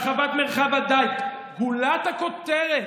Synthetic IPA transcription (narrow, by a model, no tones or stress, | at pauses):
χavat̪meʁχavad̪ajt̪ | hulat̪ako̞t̪eʁe